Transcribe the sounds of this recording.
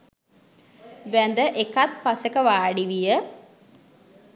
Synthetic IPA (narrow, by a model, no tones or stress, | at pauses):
ʋænd̪əʔekat̪̚pasəkəʋaːɖiʋijə